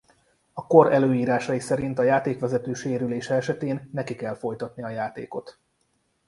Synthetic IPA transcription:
ɒko̞ɾɛløːjiːɾaːʃɒjisɛɾint̪ɒjaːt̪eːkʋɛzɛt̪øːʃeːɾyleːʃɛɛʃɛt̪eːnːɛkikɛlfo̞jt̪ɒt̪niɒjaːt̪eːko̞t̪

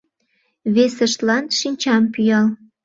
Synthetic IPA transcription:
βesəʃt̪lɑnʃinʲt͡ɕɑmpyjɑl

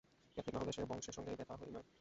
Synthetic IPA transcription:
d͡ʑat̪ʰenaod̪eʃeɾbɔŋʃeɾʃɔŋɡeb̪ɛt̪ʰaɦojnɔ

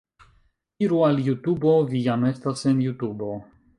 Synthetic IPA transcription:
iɾualjutubo̞vijame̞stase̞njutubo̞

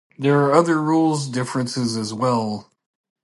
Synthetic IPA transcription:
ðə˞ːʌðə˞ɹulˠzdɪfɹɨ̃nsɪzɨzwɛlˠ

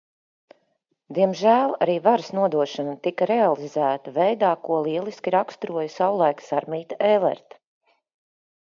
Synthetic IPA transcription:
d̪iɛmʒæːlˠaɾiːvaɾsnuɔd̪uɔʃanat̪ikɐɾealˠizæːt̪avɛjd̪aːkuɔlˠiɛlˠiskʲiɾakst̪ɾuɔjsawlˠajksaɾmiːt̪aelˠɛ̰ɾt̪

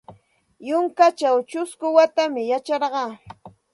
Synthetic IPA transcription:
jʊŋkat͡ʃawt͡ʃʊskʊwat̪amɪjat͡ʃɑɾɢɑː

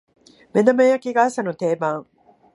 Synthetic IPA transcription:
med̪ɐmejɐkiɡaːsɐnut̪eːmaːŋ

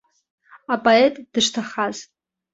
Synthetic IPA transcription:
apʼoetʼd̥ɨʂtʰaχaz̥

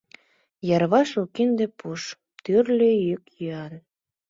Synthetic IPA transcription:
jɑrβɑʃukind̪epʰuʃ | t̪yrlejykjyɑl

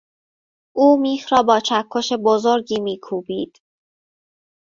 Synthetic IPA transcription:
ʔuːmiːxɾɒːbɒːt͡ʃʰækʰːoʃebozoɾɟiːmiːkʰuːbiːd̪̥

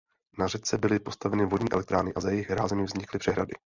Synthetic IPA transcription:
narɛt͡sɛbɪlɪpo̞st̪avɛnɪvodɲiːʔɛ̰lɛk̚t̪ɾaːnɪʔazajɛjɪɣɾaːzɛmɪvzɲɪklɪpr̥ɛɦɾa̰dɪ̰

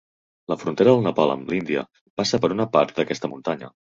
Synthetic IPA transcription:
ləfɾunt̪eɾəðəlˠnəpalə̰mlind̪iə̰ | pasəpəɾunəpaɾt̪̚d̪əkɛst̪əmunt̪aɲə̰

